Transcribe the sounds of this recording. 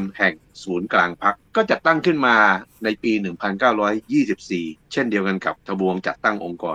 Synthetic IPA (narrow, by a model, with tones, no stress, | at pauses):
nhɛ˨˩ŋ | suː˩˦nklaː˧ŋpʰa˦˥kːɔː˥˩t͡ɕa˨˩t̪ːa˥˩ŋkʰɯ˥˩nmaː˧na˧jpiː˧nɯ˨˩ŋpʰa˧nkaː˥˩wɾɔː˦˥jjiː˥˩si˨˩p̚siː˨˩t͡ɕʰe˥˩ndi˧əwka˧nka˨˩p̚t̪ʰa˧bu˧əŋt͡ɕa˨˩t̪ːa˥˩ŋʔo˧ŋkɔː˧n